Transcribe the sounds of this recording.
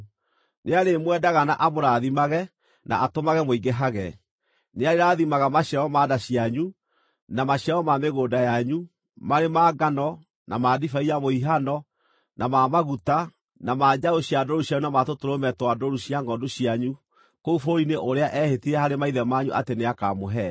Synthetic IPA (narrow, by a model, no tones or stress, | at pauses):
neaɾemwɛdaɣana̰ʔamoɾaðimaɣɛ | nʔa̰ʔatomaɣɛmoiɡeɦaɣɛ | neaɾeɾaːðimaɣamaɕjaɔmaːdaɕiaɲu | namaɕjaɔmameɣoːdajaɲu | maɾemaːɡanɔ | namaːdifaiamoiɦanɔ | namamaɣuta | namaːd͡ʑaoɕjadɔɾuɕjaɲunamatotoɾomɛtwadoɾuɕjaŋɡɔndoɕiaɲu | koufoineʔoɾeaʔɛhetiɾɛhaɾemaiðɛmaɲuʔa̰teneaka̰moɦɛ